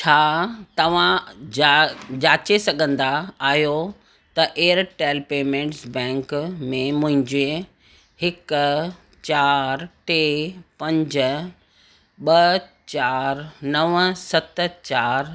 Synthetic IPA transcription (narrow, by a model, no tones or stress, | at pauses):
t͡ɕʰaːt̪ɐʋ̤ã | d͡ʑaːt͡ɕesɐɠʱə̃nd̪aːɦijo | t̪ɐʔeːəɾʈeːlpeːmẽːɳʈsbɛ̃ːŋkmẽmʊ̃ɦɪ̃ɲd͡ʑe | hɪk̆ | t͡ɕaːɾʈeːpɐ̃ɲd͡ʑ̆ | ɓɐ | t͡ɕaːɾnɐʋsɐt̪t͡ɕaːɾ